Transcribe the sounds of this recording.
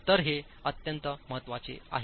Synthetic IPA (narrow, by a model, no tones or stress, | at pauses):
t̪əɾɦe | ət̪jənt̪əməɦət̪ʋat͡sḛa̰ɦ